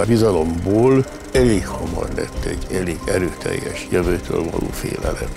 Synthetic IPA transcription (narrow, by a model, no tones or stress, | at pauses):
bizɒlo̞mboːl | ɛleːkhɒmɒrlɛt̪ːɛɟɛleːɡɛɾøːt̪ʰɛjːɛʃjøvøːt̪ʰøːlvɒloːfeːlɛlɛt